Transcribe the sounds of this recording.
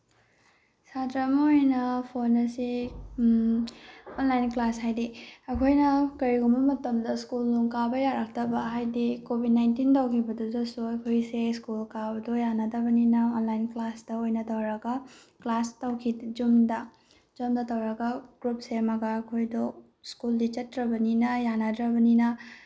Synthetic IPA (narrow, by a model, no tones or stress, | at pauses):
satɾɐmɐojnɐpʰonɐsi | onlajnklashajdiɐkʰojnɐkɐɾiɡumbɐmɐtɐmdɐskulːuŋkabɐjaɾak̚tɐbɐɦajdikobʱid̚najntintawkʰibɐduzɐsuɐkʰojseskulkabɐdojanɐdɐbɐninɐonlajnklasdɐojnɐtɐwɾɐɡɐ | klastɐwkʰid͡ʒumdɐ | d͡ʒumdɐtɐwɾɐɡɐɡ̥ɾup̚semɐɡɐːkʰojdɔ | skuldit͡ʃɐtɾɐbɐninɐjanadɾɐbɐninɐ